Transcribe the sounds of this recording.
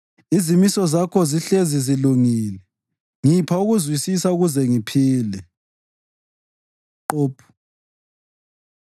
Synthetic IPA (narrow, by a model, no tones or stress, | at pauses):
izimisɔzakʰɔziɬeziziluŋilɛ | ŋipʰauɣuzwisisauɣuzɛŋipʰiːlɛ | ǃoːpʰu̥